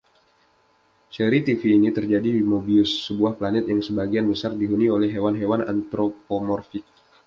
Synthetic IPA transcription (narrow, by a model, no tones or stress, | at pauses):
seɾit̪ifiːnit̪ərd͡ʒadimobiʊsːəbuahplanɛt̪̚jaŋsəbaɡianbəsardiɦuniolɛɦːewanɦewana̰nt̪ɾopomɔrfik̚